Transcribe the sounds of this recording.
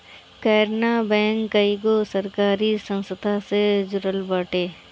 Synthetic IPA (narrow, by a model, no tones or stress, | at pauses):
kɛːɾnabɛ̃ːŋkːəiɡosəɾkaːɾisə̃nsəd̪ʱased͡ʒʊɾəlbaːʈeː